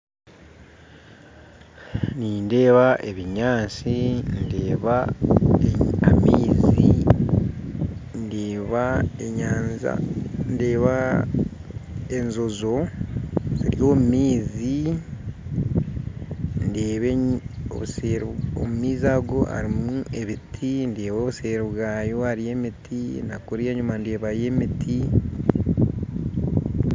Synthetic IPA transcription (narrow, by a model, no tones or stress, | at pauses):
ninde̞ːβaʔe̞βiɲaːt͡sindeːβa | amiːzi | ndeβaeɲaːza̰nde̞ːβa | enzo̞zo̞ | ziɾjo̞ːmumiːzi | ndeːβeo̰βuseɾo̰mumiːzaːɡo̞a̰ɾimue̞βitʰindeːβo̞ːβuseːɾiβwaːjo̞aɾie̞ːmitʰinakuɾieɲumande̞ːβaje̞mitʰi